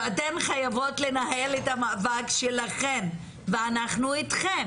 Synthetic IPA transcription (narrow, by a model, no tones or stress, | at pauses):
tenχajavo̞tle̞naɦeletamavaɡʃelaχen | veanaχnuitχem